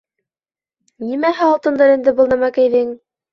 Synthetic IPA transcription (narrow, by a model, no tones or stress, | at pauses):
nimæɦæɑlˠt̪ɤ̆nd̪ɤɾɘ̆nd̪ɘbɤ̆lˠnæmækæjðɘŋ